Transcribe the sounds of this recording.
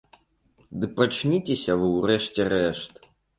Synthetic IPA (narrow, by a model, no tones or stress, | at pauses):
d̪ɨpat͡ʂnʲit͡sʲesʲɐvɨwrɛʂt͡sʲɛɾɛʂt̪